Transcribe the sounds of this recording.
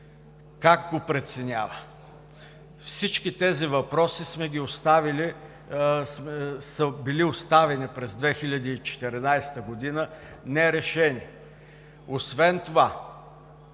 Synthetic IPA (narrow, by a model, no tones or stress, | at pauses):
kaɡɡopɾɛt̪sɛnʲavə | fsit͡ʃkit̪ɛzivɐpɾɔsismɛɡʲiost̪avili | msəbiliost̪avɛnipɾɛzd̪vɛxilʲɐd̪iːt͡ʃɛ̥t̪ɛɾinajst̪əɡod̪inənɛɾɛʃɛni | osvɛnt̪ova